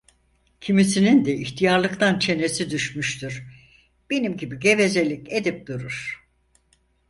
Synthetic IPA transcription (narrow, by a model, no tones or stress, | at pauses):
cʰimisinind̪ɛiçt̪ʰijaɾlˠɯkt̪ʰant͡ʃʰe̞ne̞sid̪yʃmyʃt̪yɾ̥ | b̥e̞nimɟibiɟe̞ve̞zelʲiced̪ip̚d̪uɾuɾ̥